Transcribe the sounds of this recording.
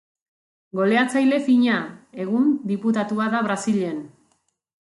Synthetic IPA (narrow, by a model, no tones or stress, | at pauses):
ɡo̞le̞at͡sajle̞fiɲae̞ɣ̞und̪iput̪at̪uaðaβ̞ɾasiʎe̞n